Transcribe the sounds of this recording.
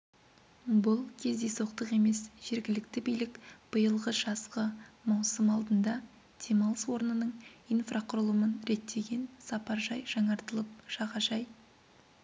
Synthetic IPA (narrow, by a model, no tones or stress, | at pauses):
bʊlˠkʲʰe̞zd̪e̞so̞q̚t̪əqe̞me̞sʒ̥e̞ɾɡʲɪlɪkt̪ɪbijlɪkb̥əjəlˠʁəʒ̥ɑsqəmɑwsəmɑlˠd̪ənd̪ɑ | d̪̥ʰemɑlˠəswo̞ɾnənəɴijnfraqʰʊɾəlˠəmənɾe̞t̪ːe̞ɡʲe̞nsɑpɑɾʒɑjʒɑɴɑɾt̪əlˠəp̚ʒ̥ɑʁɑʒɑj